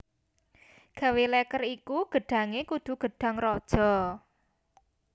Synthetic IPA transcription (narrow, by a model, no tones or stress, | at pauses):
ɡ̥ä̤welɛkərikuɡ̥ə̤ɖ̥ä̤ŋekud̪̥ṳɡ̥ə̤ɖ̥ä̤ŋrɔd̥ʒ̥ɔ̤